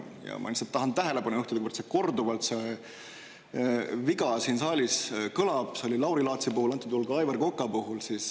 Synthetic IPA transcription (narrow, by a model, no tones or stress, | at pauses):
jɑ̰mɑ̰niset̪ːɑɦɑnæɦe̞le̞pɑnujuht̪iliɡubeɾt̪seko̞rd̪uvɑlt̪se | viɡɑsiːnsɑːlʲiskɤlɑb̥seo̞lʲilɑwɾilɑːt̪sipuhulɑnt̪ːˑud̪julɡɑjvɑrko̞kːˑɑpuɦulsis